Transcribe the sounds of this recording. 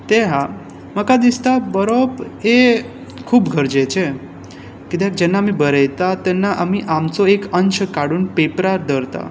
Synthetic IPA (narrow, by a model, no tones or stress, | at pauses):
t̪eɦa | məkad̪ist̪abəɾope | kʰubɡʱəɾd͡ʒet͡ʃʰe | ked̪akd͡ʒɛnaəmĩbəɾɛjt̪at̪enːaʔəmiʔamsoekəɲt͡ʃʰkaɽunpepɾaɾd̪əɾt̪a̰